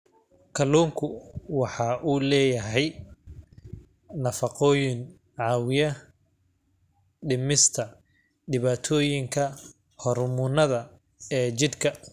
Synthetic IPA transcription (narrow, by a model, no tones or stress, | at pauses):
kʰɐluːŋkʰʊwɑħɑːʔuːlɛːjɐɦɛj | nɐfɑqɔːjɪŋ | ʕɑːwɪjɐ | ɖɪmɪst̪ʰɐ | ɖɪβaːt̪ʰɔːjɪŋkʰɐ | hɔrmʊnɐðɐ | ɛːt͡ʃɪd̪kʰɐ